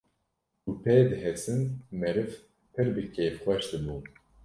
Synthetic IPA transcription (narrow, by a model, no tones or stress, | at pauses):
upʰɛd̪ɨɦɛsɨnmɛɾɨv | pʰɨɾbɨkʰeːfxʷɛʃd̪ɨbu